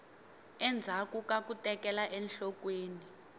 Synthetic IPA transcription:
ɛnd͡zʱakukak̬utʼɛkʼɛlaʔɛnɬɔk̬ʼweːni

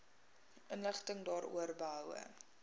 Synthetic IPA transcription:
ʔənləχtəŋdɑːɾṵərbəɦœwə̰

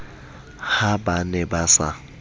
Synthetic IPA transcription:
habanɛbasa̰

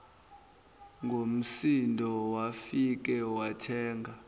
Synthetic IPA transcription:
ŋɡʱom̩sindʱɔwafik̬ɛwatʰɛːŋʱa

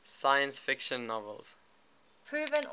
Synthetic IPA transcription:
sajə̃nsfɪkʃə̃nːɔvə̰lˠz̥ | pʰɹʉːvə̃n

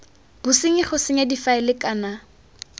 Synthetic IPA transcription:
b̥usɪŋɪχʊsɪŋadifaɪlɪkʼana

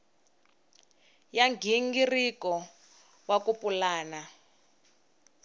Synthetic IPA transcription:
jaŋɡʱiŋɡirikɔ | wakupulaːna

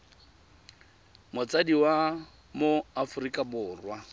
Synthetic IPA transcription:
mʊt͡sʼadiwa | moafrikʼabʊːrwa

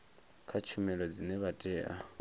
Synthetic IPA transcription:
kʰat͡ʃʰumɛlɔd͡zinɛβatʼɛːʔa

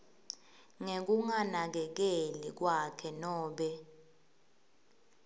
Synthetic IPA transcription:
ŋek̬uŋanak̬ɛk̬elik̬wakʰɛnɔːɓɛ

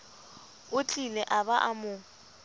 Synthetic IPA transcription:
ʊt͡ɬʼilɛʔabaʔamʊ

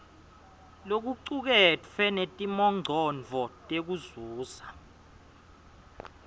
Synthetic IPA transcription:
lok̬uǀuk̬ɛt͡fʰwɛnetʼimɔŋ͡ǀʱɔnd͡vʱɔtʼek̬uzuːza

